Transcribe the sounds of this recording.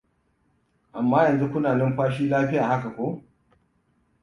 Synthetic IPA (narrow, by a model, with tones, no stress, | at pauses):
ʔa˨mːaː˦jɐ˨nzu˦kʷʊ˦naː˨lɪ˦mɸaː˦ʃiː˦laː˦ɸɪ˦jaː˨ha˦ka˨kʷoː˦